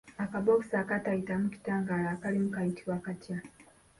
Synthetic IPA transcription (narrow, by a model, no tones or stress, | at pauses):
akaboku̥sakataitamuki̥taːŋɡaːlakalimukaitiwakatja